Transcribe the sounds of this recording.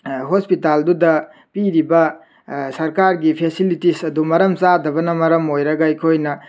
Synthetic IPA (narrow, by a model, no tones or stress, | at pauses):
ɦospitaldudɐ | piɾibɐ | sɐɾkaɾɡipʰesilitisɐdumɐɾɐmt͡ʃadɐbɐnɐmɐɾɐmojɾɐɡɐɐjkʰojnɐ